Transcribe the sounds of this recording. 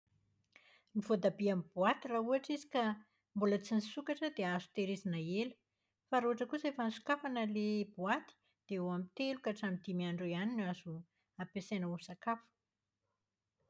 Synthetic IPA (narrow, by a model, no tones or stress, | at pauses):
nivod̪abiamibuat̪irauaʈ͡ʂizi̥ka | mbulət͡sinisukaʈ͡ʂəd̪eazu̥t̪eɾezanaelu̥ | faɾuɦaʈ͡ʂəkusefansu̥kafanəlebuat̪i̥ | d̪̥eoamit̪elukaʈ͡ʂamid̪imiaɳɖ͡ʐojaninuazu | apesenusakafə̥